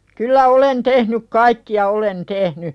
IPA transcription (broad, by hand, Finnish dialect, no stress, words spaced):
kylːæ olen tehnyk kɑikːiɑ olen tehny